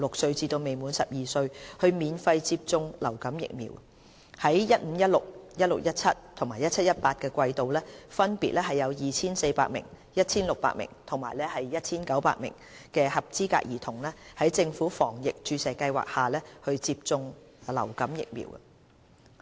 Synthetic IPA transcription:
lʊ˨k̚sɵ˧ɥt͡siː˧t̪o˧wme˨jmuː˨˥nsɐ˨p̚jiː˨˩sɵ˧ɥhɵ˧ɥmiː˨˧nfɐ˧jt͡siː˧p̚t͡sʊ˧ŋlɐ˨˩wkɐ˨˥mjɪ̰˨k̚mḭ˨˩w | hɐ˨˥jjɐ˥t̚m̩˨˥jɐ˥t̚lʊ˨k̚jɐ˥t̚lʊ˨˩k̚jɐ˥t̚t͡sʰɐ˥t̚t̪ʰʊ˨˩ŋmaː˨˩jɐ˥t̚t͡sʰɐ˥t̚jɐ˥t̚paː˧t̚kɛː˧kʷɐ˧jt̪o˨wlɛː˥fɐ˥npiː˨t̚lɛː˥ɦɐ˨jɐ˨˧wjiː˨t͡sʰiː˥nse˧jpaː˧k̚mɪ̰˨˩ŋ | jɐ˥t̚t͡sʰiː˥nlʊ˨k̚pa̰ː˧˥mɪ̰˨˩ŋt̪ʰʊ˨˩ŋmaː˨˩jlɛː˥hɐ˨jjɐ˥t̚t͡sʰiː˥nkɐ˨˥wpa̰ː˧k̚mɪ̰˨˩ŋ | kɛː˧hɐ˨p̚t͡siː˥ka̰ː˧k̚jiː˨˩t̪ʰʊ˨˩ŋlɛː˥hɐ˨˥jt͡sɪ˧ŋfuː˨˥fɔː˨˩ŋjɪ˨k̚t͡ʃyː˧sɐ˨jkɐ˧jwa̰ː˨k̚haː˨˩lɛː˥hɵ˧ɥt͡siː˧p̚t͡sʊ˧ŋ | lɐ̰˨˩wkɐ˨˥mjɪ̰˨k̚mḭː˨˩w̰

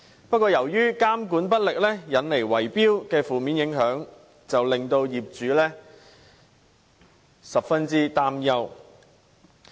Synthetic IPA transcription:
pɐ˥t̚kʷɔː˧jɐ˨˩wjyː˥kaː˥mkuː˨˥npɐ˥t̚lɪ˨k̚lɛː˥jɐ˨˥nle˨˩jwɐ˨˩jpiː˥wkɛː˧fuː˨˩miː˨˥njɪ˨˧˥ŋɦœː˨˥ŋ | t͡sɐ˨wlɪ˨ŋt̪o˧wjiː˨˩p̚t͡ʃyː˨˥lɛː˥ | sɐ˨p̚fɐ˥nt͡siː˥t̪aː˥mjɐ˥w

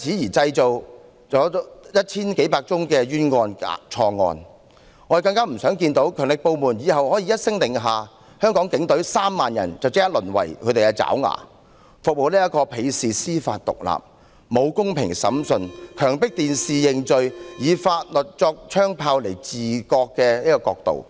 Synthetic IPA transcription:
t͡sʰiː˨˥jiː˨˩t͡sɐ˧jt͡so˨w | t͡sɔː˨˥jɐ˥t̚t͡sʰiː˥nke˨˥jpaː˧k̚t͡sʊ˥ŋkɛː˧jyː˥nŋɔː˧n̰˨t͡ʃʰɔː˧ŋɔ̰ː˧n | ŋɔː˨˧˥kɐ˧ŋkaː˥m̩˨˩sœː˨˥ŋkiː˧nt̪o˨˥wkʰœː˨˩ŋlɪ˨k̚po˧wmuː˨˩njiː˨˧ɦɐ˨whɔː˨˥jiː˨˧jɐ˥t̚sɪ˥ŋt̪ɪ˨ŋɦaː˨ | hœː˥ŋkɔː˨˥ŋkɪ˨˥ŋt̪ɵ˨˥ɥsaː˥mːaː˨njɐ̰˨˩nt͡sɐ˨wt͡sɪ˥ka˥lɵ˨˩nwɐ̰˨˩jkʰɵ˧˥t̪e˨jkɛ˧t͡sa̰ː˨˥wŋa̰ː˨˩ | fʊ˨k̚mo˨˧wniː˥jɐ˥kɔː˧pʰe˨˧jsiː˨siː˥faː˧t̚t̪ʊ̰˨k̚la̰ː˨p̚ | mo˨˧wkʊ˥ŋpʰɪ˨˩ŋsɐ̰˨˥msɵ˧nkʰœː˨˩ŋpɪ˥k̚t̪iː˨nsiː˨jɪ˨ŋt͡sɵ˨ɥjiː˨˧faː˧t̚lɵ˨˩t̚t͡sɔː˧k̚t͡ʃʰœː˥ŋpʰaː˧wle˨˩jt͡siː˨˩kɔː˧kːɛː˧niː˥kɔː˧kɔ̰ː˧k̚t̪o̰˨w

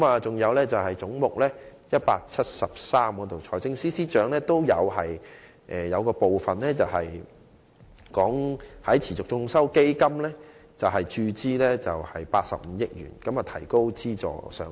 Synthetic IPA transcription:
kmaː˨t͡sʊ˨ŋjɐ˨˧wlɛː˥t͡sɐ˨whɐ˨jt͡sʊ˨˥ŋmʊ˨k̚lɛː˥jɐ˥t̚pa̰ː˧k̚t͡sʰɐ˥t̚sɐ˨p̚saː˥mkɔː˨˥t̪o˨wt͡ʃʰɔː˨˩jt͡sɪ˧ŋsiː˥siː˥t͡ʃœː˨˥ŋlɛː˥t̪o˥wjɐ˨˧whɐ˨j | ʔɛː˨jɐ˨˧wkɔː˧po˨wfɐ˨nlɛː˥t͡sɐ˨˩wɦɐ˨j | kɔː˨˥ŋhɐ˨˥jt͡sʰiː˨˩t͡sʊ˨k̚t͡sʊ˧ŋsɐ˥wke˥jkɐ˥mlɛː˥t͡sɐ˨wɦɐ˨jt͡ʃyː˧t͡siː˥lɛː˥t͡sɐ˨whɐ˨jpaː˧t̚sɐ̰˨p̚m̩˨˧˦jɪ˥k̚jy̰ː˨˩nkɐ˨˧˥maː˨˩t̪ʰɐ˨˩jko˥wt͡siː˥t͡sɔ̰ː˨˩sœ̰ː˨˥ŋ

